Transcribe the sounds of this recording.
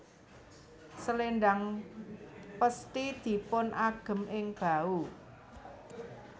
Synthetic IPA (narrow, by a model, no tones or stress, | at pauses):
səlenɖaŋ | pəst̪id̪̥i̤pʊnʔaɡ̥ə̤mɪŋb̥a̤u